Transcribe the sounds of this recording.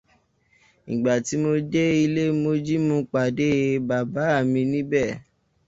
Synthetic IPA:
ñ̩˨ɡ͡ba˨ti˨˦mo˧d͡ʒe˦i˧le˦mo˧d͡ʒi˦mũ˧˦k͡pa˨de˨˦ba˨ba˨˦a˦˨mĩ˧nĩ˦bɛ˦˨

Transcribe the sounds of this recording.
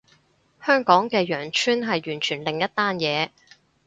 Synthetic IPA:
hœː˥ŋkɔː˨˥ŋkɛː˧jœː˨˩ŋt͡ʃʰyː˥nɦɐ˨jɥyː˨˩nt͡ʃʰyː˨˩nlɪ˨ŋjɐ˥t̪aː˥njɛː˨˧

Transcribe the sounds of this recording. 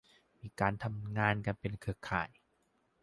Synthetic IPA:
miː˧kaː˧nt̪ʰa˧mŋaː˧nka˧npe˧nkʰɯː˧˩kʰa̰ː˨˩j

